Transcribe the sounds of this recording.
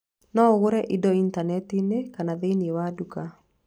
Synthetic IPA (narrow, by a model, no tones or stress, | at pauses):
nɔɣoɾɛʔidɔintanɛtinekanaðeniewaduka